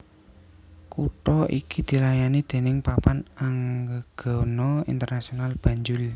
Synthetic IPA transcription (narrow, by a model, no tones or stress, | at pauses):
kuʈɔʔikid̪̥i̤lajanid̪̥e̤nɪŋpapanaŋɡəɡ̥ɔ̤nɔḭnt̪ərnasionalb̥ä̤ɲd͡ʒʊl